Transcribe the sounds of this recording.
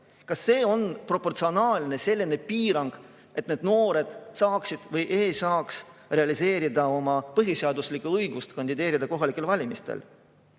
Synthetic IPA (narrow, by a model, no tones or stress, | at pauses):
kɑsːe̞ːo̞npro̞pːo̞rt̪sio̞nɑːlʲne̞se̞lʲːine̞piːɾɑŋɡ̥ | ʔe̞t̪neːd̪no̞ːɾe̞d̪̥sɑːksid̪̥vɤjʔeːsɑːksre̞ɑlise̞ːɾid̪ɑo̞mɑpɤɦise̞ɑd̪uslikːuɤjɡust̪kɑnʲd̪̥ʲid̪e̞ːɾid̪̥ɑko̞ɦɑlikːˑe̞lvɑlʲimist̪ḛl